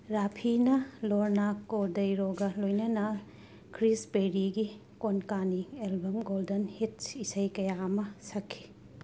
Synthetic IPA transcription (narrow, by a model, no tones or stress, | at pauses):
ɾapʰinɐloɾnakodɐjɾoɡɐlojnɐnɐ | kʰɾispeɾiɡi | konkanielbɐmɡoldɐnhit̚isɐjkɐjaɐmɐsɐkʰːi̥